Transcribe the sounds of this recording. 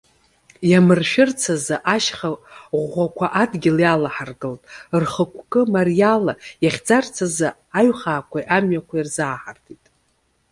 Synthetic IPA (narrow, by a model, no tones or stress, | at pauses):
jamɨrʃᶣɪrt͡sʰazaʔaʃχaʁʷakʷʰaʔadɡʲɪljalaħarɡɨltʼrχəkʷʰkʼɨmarjalajaχʲd͡zart͡sʰaza | aɥχaːkʷʰajʔamɥakʷʰairzaːħartʰitʼ